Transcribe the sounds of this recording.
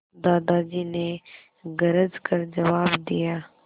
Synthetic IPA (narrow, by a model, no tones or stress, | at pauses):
d̪aːd̪aːd͡ʒiːne | ɡɐɾəzkɐɾd͡ʒɐʋaːbd̪ijaː